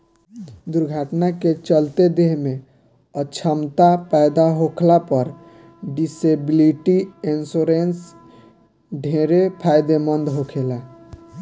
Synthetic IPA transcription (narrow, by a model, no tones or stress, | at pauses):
d̪uɾɡʱaʈnaket͡ʃəlt̪ed̪eɦme | ət͡ʃʰəmt̪apɛjd̪aɦokʰlapəɾ | ɖisebiliʈiensoɾens | ɖʱeɾepʰajd̪emənd̪ɦokʰelɛ